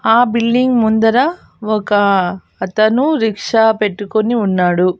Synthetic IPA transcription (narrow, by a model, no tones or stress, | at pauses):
aːbilɖiŋɡmund̪ɐɾɐ | ɔkɐː | t̪ɐnuɾikʂɐpe̞ʈːukoniunːaːɽu